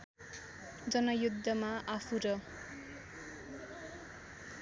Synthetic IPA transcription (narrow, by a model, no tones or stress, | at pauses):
d͡zʌnʌjud̪ʱːʌmaʔapʰuɾʌ